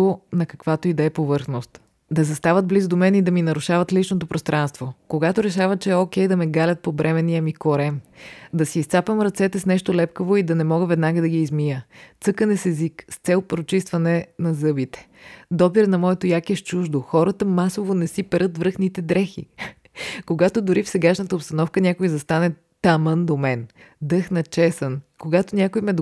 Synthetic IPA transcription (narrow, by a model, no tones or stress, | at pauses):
onɐkɐ̥kvat̪oid̪ɛɛpovɤɾxnost̪ | d̪ɐzɐst̪avəd̪̚blizd̪omɛnid̪ɐminɐɾʊʃavət̪lit͡ʃnot̪opɾost̪ɾʔanst̪vokoɡat̪oɾɛʃavət͡ʃɛɛok̟ɛjd̪ɐmɛɡalʲɐt̪̚pobɾɛmɛnijəmikoɾɛmd̪ɐsiiːst̪sapəmɾɐt̪sɛt̪ɛsnɛʃt̪olɛpkəvoid̪ɐnɛmɔɡəvɛd̪naɡəd̪ɐɡiːzmijət̪sɤkənɛsɛzikst̪sɛlˠpɾot͡ʃist̪vɐnɛnɐzɤbit̪ɛ̥ | d̪ɔpiɾnɐmɔɛt̪ojakɛʃt͡ʃuʒd̪oxɔɾət̪əmasovonɛsipɛɾɤt̪vɾɤxnit̪ɛd̪ɾɛxḭ | koɡat̪od̪ʊɾifsɛɡaʃnət̪əopst̪ɐnɔfkənʲakojizɐst̪anɛ | t̪ɐmənd̪omɛn | d̪ɤxnɐt͡ʃɛsənkoɡat̪onʲakojmɛd̪